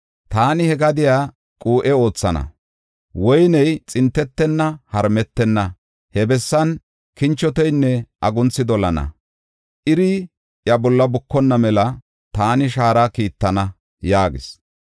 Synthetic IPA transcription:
t̪aːnɪhɛɡɐd̪ɪjaː | kʼuːʔɛo̞ːt͡sːɐnɐ̰ | wɔjnɛjt͡sʼɪnt̪ːɛt̪ːɛnːɐhɐɾmɛt̪ːɛnːɐ | hɛbɛsːɐn | kɪnt͡ʃːɔt̪ɔjnːɛʔɐɡʊnt͡sːɪd̪ɔlɐnɐ̰ | ʔɪɾɪ | jɐbɔlːɐbʊkːɔnːɐmɛlɐ | t̪aːnɪʃaːɾakiːt̪ːɐnɐ | jaːɡɪ̰s

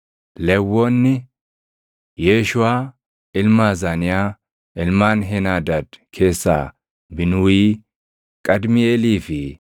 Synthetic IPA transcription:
lɛwːɔnːɪ | jeːʃʊaː | ɪlmaːzaːnɪjaː | ʔɪlmaːnɦenaːd̪aːt̪kʰe̞ːsːa̰ː | bɪnʊːiː | kʼɐd̪mɪeːliːfɪ

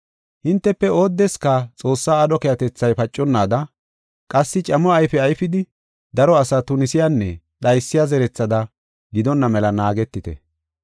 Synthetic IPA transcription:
hɪnt̪ːɛpːɛo̞ːd̪ːɛskɐt͡sʼo̞ːsːaːdɔkɛjɐt̪ɛt͡sːɐjpɐt͡ʃʼːɔnːaːd̪ɐ | kʼɐsːɪt͡ʃʼɐmɔɐjfɛɐjfɪd̪ɪ | d̪ɐɾɔɐsɐt̪ʊnɪsɪjanːɛ | ɗɐjsːɪjazɛɾɛt͡sːɐd̪ɐ | ɡɪd̪ɔnːɐmɛlɐnaːɡɛt̪ːɪt̪ɛ̰

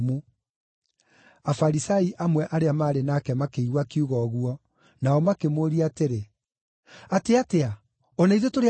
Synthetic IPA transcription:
mu | afaɾisaiʔamwɛʔaɾeamaːɾenakɛmakeiɣwakiuɣɔɣwɔ | naɔmakemoːɾiateɾe | ateatea | onaiðotoɾe

